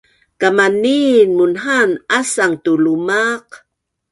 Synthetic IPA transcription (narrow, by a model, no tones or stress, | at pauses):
kamaninmunɦanasaŋtulumaq